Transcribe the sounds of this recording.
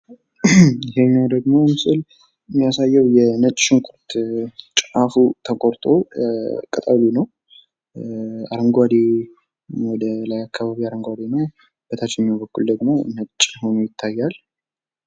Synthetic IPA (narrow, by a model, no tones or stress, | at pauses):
ɪɦeɲːawd̪əɡmo̞mɨsɨl | ɨmːijasajːəwjɛnət͡ʃʼʃɪŋkʰʷʼʊɾt̪t͡ʃʼafut̪ʰəkʼoɾt̪ʼo̞kʼət̪ʼawlunəw | aɾəŋɡʷad̪e | wɔd̪əlajakʰːaβaβiaɾəŋɡʷad̪enəw | b̥ət̪ʰat͡ʃːɪjɛmːβəkːuld̪əɡmo̞nət͡ʃʼːho̞nujɪt̪ʰːajːal